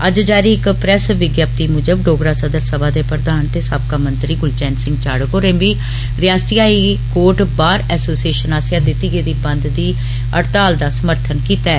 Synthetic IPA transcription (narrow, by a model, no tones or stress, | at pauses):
əd͡ʒd͡ʒaːɾiːɪkpɾɛsʋɪɡjaːp̚t̪iːmʊd͡ʒəbɖoːɡɾaːsəd̪əɾsəbaːd̪eːpɾəd̪aːnt̪eːsaːb̚kaːmənt̪ɾiːɡʊlt͡ʃɛ̃ːnsɪ̃ŋɡt͡ʃaːɽkoːɾẽːʋiː | ɾɪjaːst̪ijaːiːkoːɾʈbaːɾɛːsoːsieːʃənaːsjãːd̪ɪt̪ːiːɡeːd̪iːbənd̪d̪iː | əɽt̪aːld̪aːsəməɾt̪ʰənkiːt̪aɛː